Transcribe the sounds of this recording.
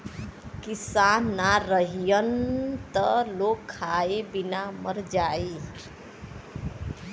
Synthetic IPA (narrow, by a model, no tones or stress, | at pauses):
kisanːaɾʌɦijʌnt̪ʌlokʰːaebinamʌɾd͡ʒae